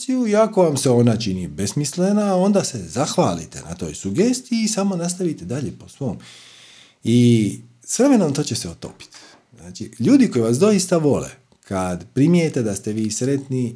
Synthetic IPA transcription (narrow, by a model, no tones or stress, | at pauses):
ijuiako̞ʋamseo̞nat͡ʃinibe̞smislenao̞nd̪ase̞zaxʋaːlḭt̪e̞̰na̰t̪o̞̰jsuɡest̪iiːsamo̞nast̪aʋit̪ed̪aʎe̞posʋo̞ːm | i | sʋɾe̞me̞nomt̪o̞ːt͡ɕe̞seot̪o̞̰pi̥t̪ | znaːt͡ʃiʎuːd̪iko̞jiʋasd̪o̞ist̪aʋo̞lḛ | kʰad̪pɾimijet̪e̞d̪ast̪e̞ʋiːsɾe̞t̪ni